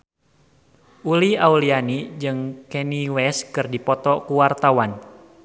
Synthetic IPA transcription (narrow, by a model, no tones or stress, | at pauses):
ʔuliaulianid͡ʒɨŋkɛniwɛskɨrdipɔt̪ɔkuwart̪awan